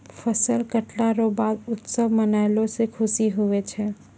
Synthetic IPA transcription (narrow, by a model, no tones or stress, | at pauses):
fʰəsəlkəʈlaɾobaːd̪ʊt̪səbmənaːɪlõsekʰʊsiɦʊet͡ʃʰɛː